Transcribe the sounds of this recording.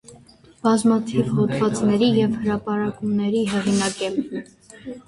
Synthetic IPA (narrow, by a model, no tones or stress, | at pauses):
b̥ɑzmɑt̪ʰivhɔt̪vɑt͡snɛɾijɛvhəɾɑpɑɾɑkumnɛɾiɦɛʁinɑkɛm